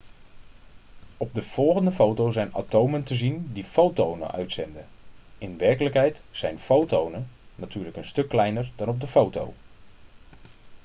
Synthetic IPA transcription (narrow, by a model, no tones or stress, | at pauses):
ɔp̚dəv̥ɔlˠɣəndəfowtowzɛjna̰towməntəzindifowtownə̰ʔœ̰ɥtsɛndəɪnʋɛrkələkɦɛjtsɛjnfowtownənatʰyːrləkənstɵkːlɛjnərdɔnɔp̚dəfowto̰w